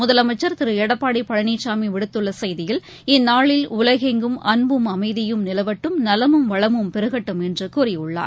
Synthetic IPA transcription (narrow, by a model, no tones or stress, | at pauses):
mʊðɐlɐmɐt͡ʃːɐɾt̪ɪɾɯɛɽɐpːaːɽipːɐɻɐniːʈt͡ʃaːmiʋɪɽɯt̪ːɯɭːɐsɐjðɪjɪl | ɪnːaːɭɪlʊlɐɣeŋɡɯmɐnbɯmɐmɐɪðɪjɯmnɪlɐʋɐʈːɯmnɐlɐmɯmʋɐɭɐmɯmpɛɾɯɣɐʈːɐmɛndrɯkʊːɾɪʊɭːa̰ːɾ